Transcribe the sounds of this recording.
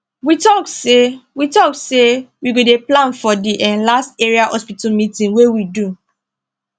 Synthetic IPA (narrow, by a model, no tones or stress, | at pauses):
witɔksewitɔksewiɡodeplãnfɔdiʔɛ̃nlasteɹiahɔspitamitĩnwewidu